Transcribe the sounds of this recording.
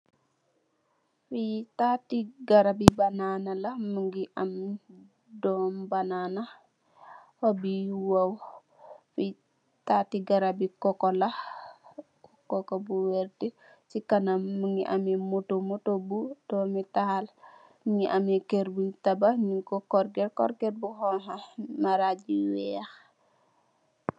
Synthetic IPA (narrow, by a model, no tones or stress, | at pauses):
fitatiɡaɾabibananalamuŋɡiʔam | dɔmbanana | hobiwaw | fi | tatiɡaɾabikɔkɔla | ukokobuweɾti | sikanamːuŋiʔa̰mimutomutobud̥omitahal | muŋiʔamekeɾbuntabaɲuŋkokoɾɡeɾkɔ̰ɾɡeɾbuɦoŋɦamaɾaɟiwɛax